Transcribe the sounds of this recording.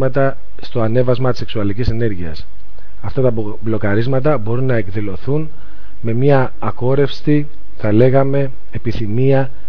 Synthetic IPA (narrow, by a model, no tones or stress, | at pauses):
mɐt̪ɐ | st̪o̞ɐne̞vɐzmɐt̪i̥seksuɐlicisene̞ɾʝiɐs | ɐft̪ɐt̪ɐ | blo̞kɐɾizmɐt̪̬ɐbo̞ɾunːɐe̞kðilo̞θun | me̞mɲɐː | ko̞ɾe̞fst̪i | θɐle̞ɣɐme̞ | epiθimiɐ